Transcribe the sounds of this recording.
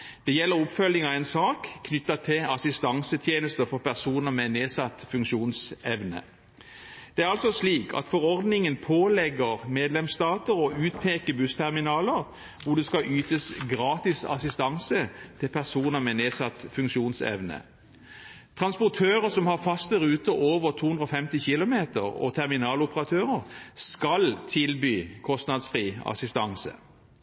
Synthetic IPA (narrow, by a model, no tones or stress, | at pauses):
d̪̥ɛjɛlːəʁʊpfœlɪŋɑɛnsɑːkkʰːnʏt̪ːɑt̪ʰɪlɑsɪst̪ɑŋsət̪ʰjeːnəst̪əfɔʁpʰæʁsuːnəmɛneːsɑt̪ːfʉŋkʃuːnsɛʋnə̰ | d̪̥ɛæʁɑlsɔsliːkʰɑ̰t̪fɔʁɔʁd̪nɪŋənpʰoːlɛɡəʁmeːd̪lɛmst̪ɑːt̪əɾɔʉːt̪̚pʰeːkəbʉst̪ʰæʁmɪnɑːləʁ | hʊd̪ɛskɑʔyːt̪əsɡɾɑːt̪ɪsɑ̰sɪst̪ɑŋsət̪ʰɪlpʰæʁsuːnəmɛneːsɑt̪ːfʉŋkʃuːnsɛ̰ʋnə̰ | t̪ʰʁɑnspʊt̪ʰøːʁəsɔmhɑʁfɑst̪̚əʁʉːt̪əʔoːʋəʁt̪ʰuːhʉnd̪ɾɔfɛmt̪ɪçɪlʊmeːt̪ə̰ʁɔ̰t̪ʰɛʁmɪnɑːlʊpəʁɑt̪ʰøːʁəʁskɑlt̪ʰɪlbyːkʰɔst̪nɑd̪sfʁiːɑ̰sɪst̪ɑ̰ŋsə̰